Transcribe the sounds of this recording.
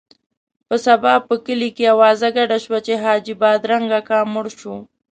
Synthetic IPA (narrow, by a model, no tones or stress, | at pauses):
pəsabɑb̚pəkəlikejawɑzaɡaɖaʃwat͡ʃeɦɑd͡ʒibɑd̪ɾaŋɡakɑmʊɽʃo